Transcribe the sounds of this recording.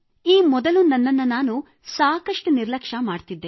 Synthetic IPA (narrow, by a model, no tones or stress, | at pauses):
iːmɔd̪ɐlunɐnːɐnːɐnaːnu | saːkɐʂʈuniɾlɐkʂɐmaːɖt̪id̪ːe